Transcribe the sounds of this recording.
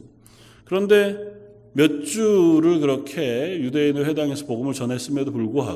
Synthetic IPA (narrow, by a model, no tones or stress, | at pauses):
kɯɾʌnde̞ | mjʌt͡ɕ͈uɾɯɭkɯɾʌkʰe̞jude̞inɯɭwe̞daŋe̞sʰʌpoɡɯmɯɭt͡ɕʌne̞s͈ɯmjʌdopuɭɡoɦa̰